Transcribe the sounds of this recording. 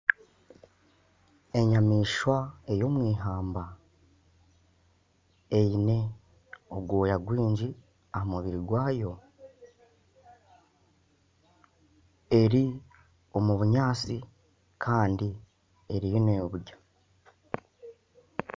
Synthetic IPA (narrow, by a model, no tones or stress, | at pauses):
e̞ɲamiːʃwae̞jo̞ːmwiːɦaːmba | ejine̞ | oɡwoːjaɡwiːɲɟi | ahamuβiɾiɡwaːjo̞ | e̞ɾi | o̞muβuɲaːt͡si | kʰaːndi | e̞ɾijonejoβuɟḁ